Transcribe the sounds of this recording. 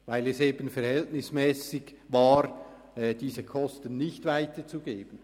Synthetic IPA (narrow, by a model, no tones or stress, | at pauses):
vaɪlɛseːbənfɛɾhɛltnɪsmɛːsɪɡvaːɾ | ɛd̥iːsəkʰɔstənːɪçtvaɪtət͡suɡeːb̥ən